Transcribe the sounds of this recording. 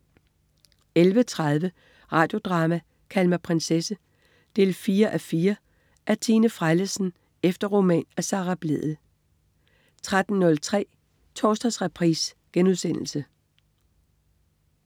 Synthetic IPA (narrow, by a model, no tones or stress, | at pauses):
elʋət͡sʰʁað̞ˠʋə | ʁɑ̈ːd̥jo̝d̥ʁɑ̈ːmæ | kʰælmæpʰʁensesə | d̥e̝̰ːlfiːɐʔæfiːɐ | ʔæɐt͡sʰiːnəfʁaɪləsn̩ | efd̥ɐʁo̝mɛ̰ːnæsɑ̈ːʁɑ̈b̥le̝ð̰ˠð̩ | t͡sʰʁad̥n̩nɔ̽lt͡sʰʁɛ̰ː | t͡sʰɒːsd̥ɐsʁapʰʁḭːs | ɡ̥enuðˠsen̰l̩sə